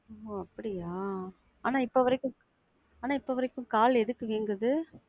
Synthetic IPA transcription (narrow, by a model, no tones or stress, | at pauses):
oːɐpːɐɽɪjaː | aːnaːɪpːoʋɐɾɪkːɯ̃ | aːnaːɪpːoʋɐɾɐkːɯ̃mkaːlɛðɯkːɯʋiːŋɡɐðɯ